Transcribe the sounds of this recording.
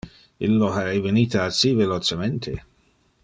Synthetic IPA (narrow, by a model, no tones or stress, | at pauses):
ḭlːoɦaɾɛjveniːt̪aasivelot͡ʃement̪ʰe